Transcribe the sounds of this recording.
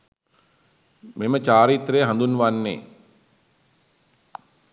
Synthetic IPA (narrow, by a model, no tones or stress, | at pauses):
memət͡ʃaːɾit̪rejːɦãnd̪unʋanːḛː